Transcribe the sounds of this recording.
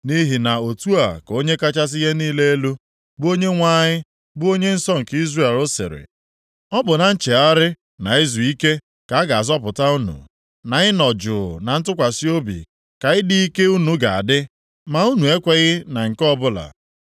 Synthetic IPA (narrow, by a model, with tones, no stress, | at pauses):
ni˦ɦi˨na˨o˨tu˦a˨ko˦ɲe˦ka˦t͡ʃa˦s̬ɪ˦ɦe˦niː˦le˦e˦lu˦ | bʊ˦o˦ɲe˦ŋʷa˦ɲɪ˦ | bʊ˦o˦ɲe˦n̩˦sɔ˦ŋ̩˨ki˦zre˦˨e˨lo˦sɪ̰˨ɾɪ̰˨ | ɔ˦bʊ˨na˨n̩˦t͡ʃe˨a˦ɾɪ˦ | na˨ɪ˦zu˨i˦ke˦ | ka˨˦a˦ɡa˨a˨zɔ˦pʊ˨ta˦u˦nṵ˨ | na˨ɣɪ˦nɔ˨d͡ʒʊ˨na˨n̩˦tʊ˦kʷa˨si˦o˦bḭ˨ | ka˨ɣɪ˦di˦i˦ke˦u˦nu˨ɡa˨a̰˨dɪ˦ | ma˨u˦nu˨e˦kʷe˨ɣɪ˦na˨ŋ̩˨kɔ˦bʊ˦la̰˨